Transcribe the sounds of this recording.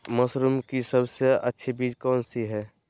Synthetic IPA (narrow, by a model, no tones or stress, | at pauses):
mɐsɾumkisəbseətːʃʰebiːd͡ʒkɔːnsiɦɛː